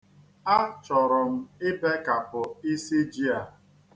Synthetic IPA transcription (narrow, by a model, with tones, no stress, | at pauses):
a˦t͡ʃɔ˨ɾʊ˨m̩˦ɪ˦pe˦ka˨pʊ˨i˦si˦d͡ʒi˦a˨